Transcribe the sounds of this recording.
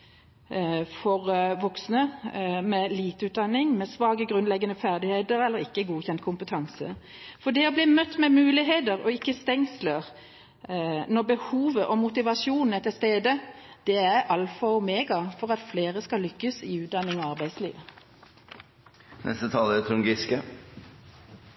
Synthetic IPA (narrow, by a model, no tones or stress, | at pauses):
fɔʁʋɔksnəmɛliːt̪ʉːt̪̚d̪ɑnːɪŋmɛsʋɑːɡəɡʁʉnlɛɡːənəfæʁd̪ɪheːt̪əɾɛlːəʁɪkːəɡuːçɛnt̪̚kʰʊmpət̪ʰɑŋsə̰ | fɔɖ̪ɛɔbliːmœt̪ːmɛmʉːlɪɦeːd̪əʁɔɪkːəst̪ɛŋsləʁ | nɔʁbəhuːʋəʔɔmʊt̪ɪʋɑsjuːnn̩ɛt̪ʰəst̪eːd̪əd̪̥ɛæɾʔɑlfɔʊmeːɡɑfɔʁɑt̪fleːʁəskɑlʏkːəsɪʉːt̪̚d̪ɑnːɪŋɑɑʁbæɪslḭːʋə | nʔɛ̰st̪ət̪ʰɑːləɛt̪ʰɾʊŋɡɪskə